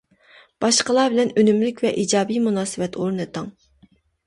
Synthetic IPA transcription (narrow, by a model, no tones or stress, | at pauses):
b̥ɑʃqəlˠɑːbɪlɛnønymlɪkʲvɛʔid͡ʒɑːbijmunɑːsɨvɛt̪ʰoɾnɨt̪ɑŋ